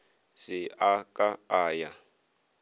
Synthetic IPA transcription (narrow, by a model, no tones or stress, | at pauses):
sɪakʼaaːja